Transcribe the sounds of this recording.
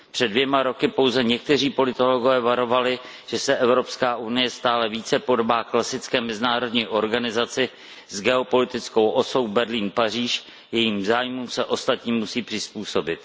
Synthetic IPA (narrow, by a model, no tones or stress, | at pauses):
pr̝̥ɛdvjɛmaɾo̞kɪpo̞wzɛɲɛk̚t̪ɛr̝iːpo̞lɪt̪o̞loɡovɛːvaɾo̞valɪ | ʒ̥ɛsɛʔɛvɾo̞pskaːʔunɪjɛst̪aːlɛviːt͡sɛpo̞dobaːklasɪt͡skɛːmɛzɪnaːɾo̞dɲiːʔo̞ɾɡanɪzat͡sɪ | zɡɛo̞po̞lɪt̪ɪt͡sko̞wʔo̞sowbɛɾliːnpar̝iːʃ | jɛjiːmzaːjmumsɛʔo̞st̪at̪ɲiːmːusiːpr̥ɪspuːso̞bɪt̪